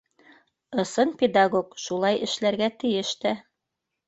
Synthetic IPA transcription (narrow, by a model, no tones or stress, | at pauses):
ɤ̆sɤnpʲed̪aɡokʃulˠɑjɘ̆ʃlæɾɡæt̪ɘ̆jɘʃt̪æ